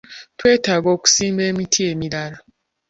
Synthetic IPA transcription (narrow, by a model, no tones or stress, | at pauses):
twetaɡoku̥simbemitʰiemilaɾa